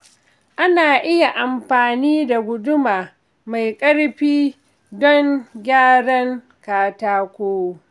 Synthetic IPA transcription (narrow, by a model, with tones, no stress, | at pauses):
ʔa˦naː˨ʔɪ˦ja˨ʔa˨mɸaː˨niː˦da˨ɡʷʊ˦dʊ˦maː˨ | ma˨jkʼɐ˦ɽɸiː˦ | dɔ˦ŋɡʲaː˦ɽɐ˦ŋ | kaː˨taː˦kʷoː˦